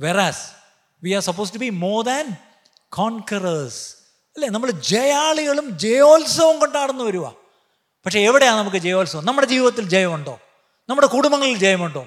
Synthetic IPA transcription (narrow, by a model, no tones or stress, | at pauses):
ʋeɾɐs | ʋiːaːɾsɐpːoːsʈubimoːðɐn | kʰoːŋkɐrɐs | ɐlːeːnɐmːɐɭd͡ʑejaːɭiɣɐɭumd͡ʑejoːlsɐʋɐmkoɳɖaːɽunːuʋɐɾuʋɐ̰ | pɐkʂe̞ːʋiɽejaːnnɐmuk̬ːɨd͡ʑejoːlsɐʋɐmnɐmːuɽe̞d͡ʑiːʋiʋɐt̪ːild͡ʑejɐmuɳɖo̞ː | nɐmːuɽe̞kuɽumbɐŋːɐɭild͡ʑejɐmuɳɖo̞ː